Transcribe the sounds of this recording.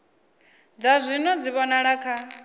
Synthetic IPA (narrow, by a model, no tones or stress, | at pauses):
d͡zazʷinɔd͡ziβɔnaɺakʰa